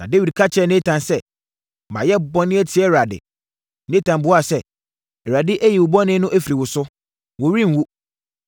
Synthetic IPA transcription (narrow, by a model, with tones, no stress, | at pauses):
nã̰˨de˦wi˨d̚kʰa˦t͡ɕʰɛ˨nẽ˦tʰã˨nsɛ˦˨ | mã̰˨jɛ˦bɔ̃˦nɪ̃˦ɛ˦tʰi˨˦ɛ˦˨ɾa˨dɪ̰˨ | nẽ˦tʰã˨mbʊ˦a˦˨sɛ˦ | ɛ˨ɾa˨dɪ˦ʔæ˦ji˨wʊ˨bɔ˦nɪ̃˦nʊ̃˦ʔæ˦fi˨ɾi˨wʊ˨sʊ˦ | wʊ˨ɾĩ˦n̩˨wu˦